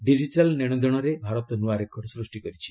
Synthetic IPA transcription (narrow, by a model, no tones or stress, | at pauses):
ɖid͡ʒiʈalneɽ̃ɔd̪ɔɽ̃ɔɾebʱaɾɔt̪ɔnuaɾekʰːɔɽɔsɾusʈikɔɾit͡ʃʰi̥